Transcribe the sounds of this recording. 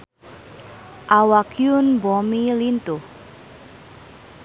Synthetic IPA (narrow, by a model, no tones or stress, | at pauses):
ʔawakjʊnbɔmilint̪uh